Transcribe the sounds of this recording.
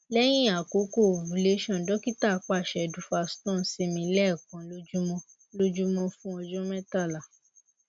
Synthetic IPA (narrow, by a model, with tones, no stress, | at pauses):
lɛ˦j̃ĩ˦˨a˨ko˨˦ko˦˨vu˨˦le˦ʃɔ̃˦˨dɔ˦ki˦ta˦˨˦k͡pa˦˨ʃɛ˨du˨˦fa˧stɔ̃˦˨˦si˧mĩ˧˦lɛ˦˨kã˨lo˦d͡ʒu˦mɔ̃˧ | lo˦d͡ʒu˦mɔ̃˧fũ˦ɔ˧d͡ʒɔ̃˦mɛ˦ta˦˨la˨